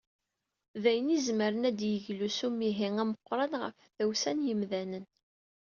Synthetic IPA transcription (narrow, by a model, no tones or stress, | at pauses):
ðæjənizməɾənæd̪jəʝlusumiɦiŋæməqːɾˤɑnʁə̰fθæwsænjəmðænən